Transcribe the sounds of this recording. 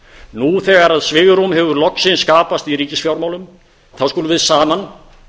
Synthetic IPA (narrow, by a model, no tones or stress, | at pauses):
nuθɛɣaɾaðsvɪːɣɾumɦɛvʏɾlɔksɪnskaːpast̪iɾiːcɪsfjawɾmawlʏm | θawskuːlʏvɪðsaːman